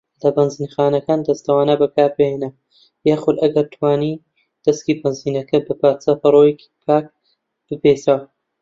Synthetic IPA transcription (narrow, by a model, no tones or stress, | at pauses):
lɐbɐnziːnxaːnɐkaːnd̪ɐst̪ɐwaːnɐbɐkaːɾbejenɐ | jaːxʊd̪ɐɡɐɾt̪ʰwaːni | d̪̥ɐskiːbɐnziːnɐkɐbɨpaːt͡sɐpɐɾˤojeki̥pʰaːk̚ | b̥ɨbesaw